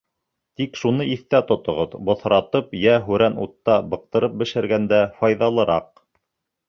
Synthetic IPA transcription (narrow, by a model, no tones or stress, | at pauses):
t̪ikʃunɤiθt̪æt̪ŏt̪ŏʁoðbŏθɾɑt̪ɤpjæɦʉɾænut̪ːɑbɤ̆q̚t̪ɤ̆ɾɤp̚bɘ̆ʃɘ̆ɾɡænd̪æfɑjðɑlˠɤ̆ɾʔɑq̚